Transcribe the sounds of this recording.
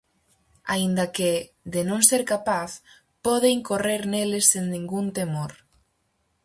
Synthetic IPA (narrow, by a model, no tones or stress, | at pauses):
aind̪ake | ðenõŋseɾkapaθ | pɔðeŋkoreɾnelesːennĩŋɡunt̪emoɾ